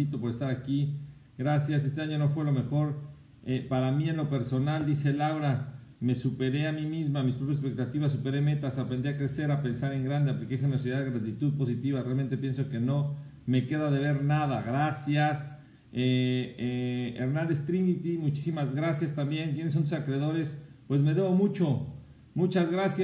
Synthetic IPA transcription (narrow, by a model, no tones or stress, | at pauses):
it̪opo̞ɾe̞st̪aɾaki | ɡɾasjas̬e̞st̪e̞aɲo̞no̞fwe̞lo̞me̞xo̞ɾ | epaɾamie̞nlo̞pe̞ɾso̞nald̪ise̞lawɾa | me̞supe̞ɾe̞amimizmamispɾopjasespek̚t̪at̪iβas̬upe̞ɾe̞me̞t̪asapɾend̪iakɾe̞se̞ɾapensaɾe̞ŋɡɾand̪e̞aplikexe̞neɾosiðaðeɣɾat̪it̪uðpo̞sit̪iβarealme̞nt̪e̞pje̞nso̞ke̞no̞ | me̞ke̞ðaðe̞β̞e̞ɾnaðaɣɾasjas | eeḛɾnãnd̪e̞st̪ɾinit̪imut͡ʃi̥simazɣɾasjast̪ambje̞ŋkje̞nes̬ːont̪̬usakɾeðo̞ɾe̞spwe̞zme̞ðe̞βo̞mut͡ʃo̞ | mut͡ʃazɣɾasja